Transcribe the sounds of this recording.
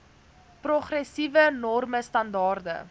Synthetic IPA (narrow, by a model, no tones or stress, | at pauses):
prɔχrɛsivənɔrməstɐndɑːrdə̰